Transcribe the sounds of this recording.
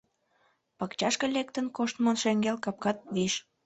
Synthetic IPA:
pɑkt͡ɕɑʃkə̆lʲek̚t̪ənkoʃt̪monʃeŋɡelkɑp̚kɑt̪̚βiʃ

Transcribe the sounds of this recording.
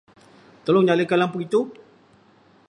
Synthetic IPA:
t̪olɔŋɲaləkalampukit̪u

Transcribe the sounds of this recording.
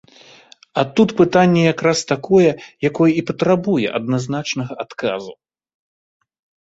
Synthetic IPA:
at̪ut̪pɨt̪anʲːɛjakɾast̪akɔjɛjakɔjɛipɐt̪ɾabujɛ̰ʔɐ̰d̪naznat͡ʂnɐɣɐʔat̪ka̰zu

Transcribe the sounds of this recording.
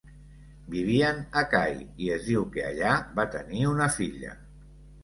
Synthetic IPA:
biβ̞iənakajiezðiwkea̰ʎaβat̪ə̰niunəfiʎə̰

